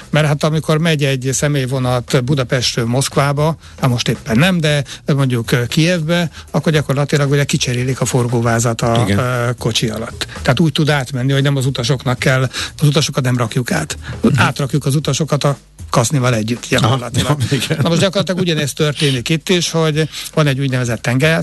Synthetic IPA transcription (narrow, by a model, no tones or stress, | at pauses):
mɛrhat̪ɒmiko̞rmɛɟɛɟsɛmeːjvo̞nɒlt̪bud̪ɒpɛʃt̪ːmo̞skʋaːbɒ | ɒmo̞ʃt̪eːpːɛnːɛmd̪ɛmo̞ɲɟukkːijɛvbɛɒkːo̞rɟɒkorlɒt̪ilɒɡuɟɛkit͡ʃɛɾeːlikɒfo̞rɡoːvaːzɒt̪ɒko̞t͡ʃiɒ̰lɒt̪ːɛɦːt̪uːc̚t̪ud̪aːt̪mɛnːihoɟnɛmɒzut̪ɒʃo̞knɒkːɛlːɒzut̪ɒʃo̞kɒt̪nɛmrɒkjuka̰ːt̪aːt̪rɒkjukɒzut̪ɒʃo̞kɒt̪ɒ | kɒznivɒlɛɟːyt̪ːɟ̥ɒorlɒt̪ilɒɡɡnɒmoʒɟɒkorlɒt̪ilɒɡuɟɒnɛst̪ørt̪eːnikit̪ːiʃho̞ɟvɒnɛɟːuːɟnɛvɛzɛt̪ːɛŋɡɛɾɛ